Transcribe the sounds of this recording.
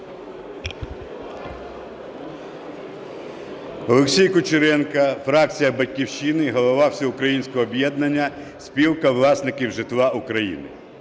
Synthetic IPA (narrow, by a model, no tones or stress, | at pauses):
ɔlˠeksʲijkʊt͡ʃɪɾɛnkɐfɾɑk̚t͡sʲijɐbɐtʲkʲiwʃinɪɦɔlˠɔʋɑwsʲɐʊkɾɐjinʲsʲkɔɦɔːbʲjɛd̪nɐnʲːɐ | sʲpʲiwkɐʋlˠɑsnɪkʲiwʒɪt̪ʋɑukɾɐjḭnɪ̰